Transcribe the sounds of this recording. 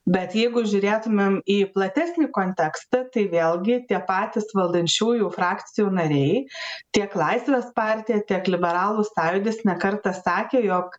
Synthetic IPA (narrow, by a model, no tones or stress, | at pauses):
bʲɛt̪jɛɪɡʊʒʲʊɾʲeːt̪ʊmʲemiːplˠɐt̪ʲæsʲnʲiːkoːnʲt̪ʲɛkst̪ɐt̪ɐɪʋʲeːlˠɡʲɪt̪ʲiɛpɑːt̪ʲɪsʋɐlˠd̪ɐnʲt͡ʃʲuːjufɾɑːk̪t͡ssʲɪjuːnɐɾʲɛɪt̪ʲiɛklˠɐɪsʲʋʲeːspɑːɾʲt̪ʲijɛt̪ʲiɛklʲɪbʲɛɾɑːlˠʊsɑːjʊd̪ʲɪsnʲɛkɐɾt̪ɐsɑːkʲeːjoːk